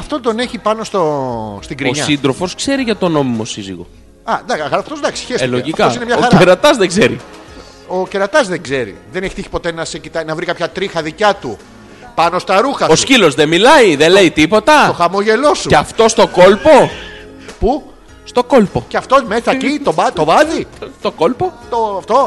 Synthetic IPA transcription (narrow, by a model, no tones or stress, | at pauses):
ɐft̪o̞t̪o̞ne̞çipɐnost̪ost̪iɡɾioɲɐsind̪ɾo̞fo̞skse̞ɾiʝɐt̪o̞no̞mimo̞sizḭɣo̞̰ | ɐd̪ɐɐɣɐɐft̪ozd̪ɐksi̥çesloʝifkɐosinemɲɐoxɐɾeɾɐt̪ɐzðeɡze̞ɾḭ | oceɾɐt̪ɐzðeŋɡze̞ɾḭðeneçi̥tiçi̥po̞t̪e̞nɐsecit̪ɐnɐvɾikɐpçɐt̪ɾixɐðicɐt̪u | pɐno̞st̪ɐɾuxɐoscilo̞zðemilɐiðele̞it̪ipo̞t̪ɐt̪o̞xɐmoʝe̞lo̞sueɐft̪o̞st̪o̞ko̞lpo̞ | pu | st̪o̞ko̞lpo̞ceɐft̪omeθɐcit̪obɐt̪ovɐðist̪oko̞lpot̪oft̪o̞